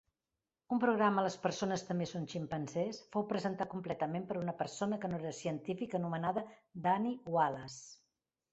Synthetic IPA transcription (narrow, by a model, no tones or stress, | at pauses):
umpɾuɣɾamələspəɾsonəst̪əmbesonʃimpənsɛsfowpɾəzənt̪at̪̚kumplɛt̪əmempəɾunəpəɾsonəkənoeɾəsiənt̪ifikənumənaðəd̪aniwaləs